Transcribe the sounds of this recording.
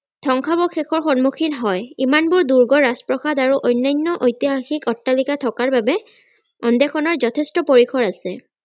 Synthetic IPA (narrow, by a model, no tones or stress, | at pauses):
tʰɔŋkʰabɔkʰɛkʰɔɹxɔnmukʰinɦɔjimanbʊɹduɹɡɔɹaspɹɔxadaɹuʔɔjnːajnːɔʔojtiɦaxikɔtːalikatʰɔkaɹbabɛ | ɔndɛkʰɔnɔɹzɔtʰɛstɔpoɹikʰɔɹasɛ